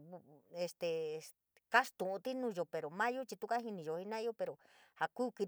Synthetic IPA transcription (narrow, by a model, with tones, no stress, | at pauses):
e˧st̪e˨ | ka˦st̪ũ˨ʔũ˧t̪i˦nũː˧˦jo˨˧pe˨ɾo˨mã˦jo˦t͡ʃi˧t̪u˦ka˦ɦi˧nĩ˧˨jo˨˧hi˧nã˦˧jo˦pe˧ɾo˨ | ha˧kuː˦ki˧